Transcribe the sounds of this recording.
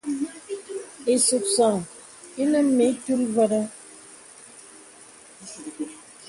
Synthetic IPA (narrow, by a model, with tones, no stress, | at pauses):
e˨su˨k̚sa˨ŋ | i˦nə˦me˨˦tu˦lvə˦ɾə˦